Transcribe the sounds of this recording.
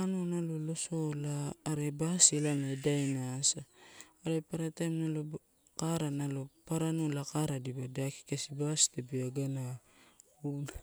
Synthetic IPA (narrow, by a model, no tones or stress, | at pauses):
anunalolo̞so̞laːɾe̞basilanaedajnasaː | ɾepaɾatamnalo | kaɾanalo̞paɾanulakaɾadibadaki̥kesibastebiaɡana | un